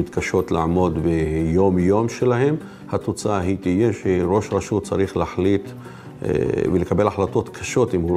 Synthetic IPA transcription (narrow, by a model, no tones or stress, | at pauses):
it̪kaʃo̞t̪laʕmo̞d̪bejo̞mjo̞mʃelahe̞m | hat̪ot͡saaɦit̪ijeʃeɾo̞ʃʁaʃut͡saɾiχlaħlit̪ | velekabelaħlat̪o̞t̪kʰḁʃo̞t̪imhu